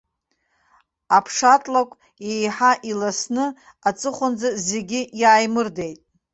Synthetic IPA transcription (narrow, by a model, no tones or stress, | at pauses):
apʰʂatʼlakʷʼ | ejħaʔilasnɨ | at͡sʼɨχʷand͡zaze̞ɡʲijaːjmɨrde̞jtʼ